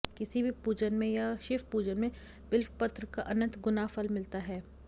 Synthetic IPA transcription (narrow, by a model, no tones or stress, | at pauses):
kɪsibʱipuːd͡ʒənmẽjaʃɪfpuːd͡ʒənmẽ | b̥ɪlfpɐt̪ɾəkaʔɐnə̃nt̪ɡʊnaːfɐlmɪlt̪aɦɛː